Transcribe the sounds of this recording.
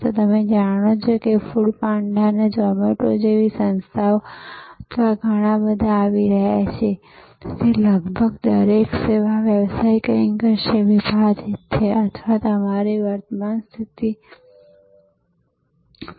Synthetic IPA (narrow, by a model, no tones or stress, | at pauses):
t̪ot̪əmed͡ʒaɽ̃ot͡ʃʰokefuɽpaɳɖaned͡ʒɔmeʈod͡ʒeʋisə̃nst̪ʰaʋət̪ʰʋaɡʱəɽ̃ãbəd̪ʱaːʋiɾəɦja̰t͡ʃʰe | d͡ʒeləɡbʱəɡd̪əɾekseʋaʋjəʋsaikəɾiŋɡəʃeʋibʱad͡ʒet̪t͡ʃʰeʔət̪ʰʋat̪oəmaɾiʋəɾt̪əmanst̪ʰit̪i